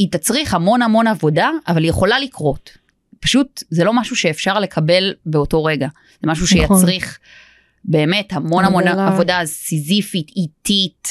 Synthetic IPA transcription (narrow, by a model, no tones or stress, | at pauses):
itat͡sʁiχhamo̞nhamo̞navo̞daʔːvalijeχo̞lalikʁo̞t | pḁʃutzelo̞maʃuʃe̞ːfʃaʁle̞kʰabe̞lbeo̞to̞ʁe̞ɡa | z̥emaʃuʃejat͡st͡sʁiχ | be̞ːme̞thamo̞nhamo̞navo̞dazsizifititit